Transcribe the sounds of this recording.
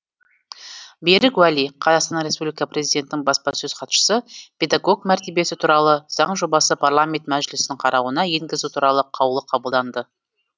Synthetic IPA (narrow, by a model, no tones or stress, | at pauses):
beɾɪkwæliqʰɑzɑqst̪ɑnɾespublʲijkɑprʲezijd̪ʲe̞nt̪ɪnɪŋbɑspɑsɵzqʰɑt̪ʃə̥səpʰʲe̞d̪aɡo̞ɡmæɾt̪e̞be̞sɪt̪ʰuɾɑlˠəz̥ɑɴʒo̞bɑsəpʰarlˠamʲe̞nt̪mæʒɪlɪsɪnɪɴqʰɑɾɑwənɑje̞ŋɡʲɪzut̪ʰuɾɑlˠəqʰɑwlˠəqʰɑbəlˠd̪ɑnd̪ə